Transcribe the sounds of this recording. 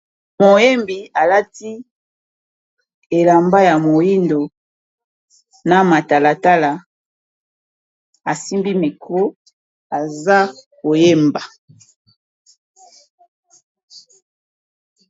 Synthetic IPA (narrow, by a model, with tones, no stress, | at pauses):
mo˨je˦mbi˨a˨la˦ti˦ | e˨la˨mba˦ja˨mo˨ji˦ndo˨ | na˨ma˨ta˨la˨ta˦la˨ | a˨si˦mbi˦me˨kʰo˦ | a˨za˦ko˨je˦mba˨